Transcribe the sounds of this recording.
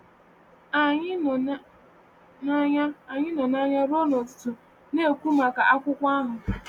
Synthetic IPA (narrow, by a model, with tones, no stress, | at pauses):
a˨ɲɪ˦˨ | n˦ɲa˦a˨ɲɪ˦nɔ˨na˦ɲa˦ɾo˦no˨tʊ̥˦tʊ˨ | ne˦˨kʷu˦ma˨ka˨ʔa˦kʷʊ˦kʷa˦ɦʊ˨